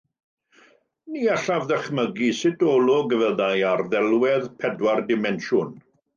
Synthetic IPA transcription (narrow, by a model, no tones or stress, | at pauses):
niːaɬavðəχməɡisɪtʰɔːlˠɔɡəvəðajarðɛlˠwɛðpʰɛdwardɪmɛnʃʊn